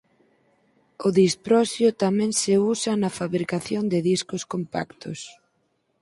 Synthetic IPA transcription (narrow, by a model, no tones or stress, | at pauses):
ʊðispɾɔsjʊt̪amɛ̃ŋsɪusɐnɐfaβɾikaθjond̪ɪðiskʊskompa̰kt̪ʰʊs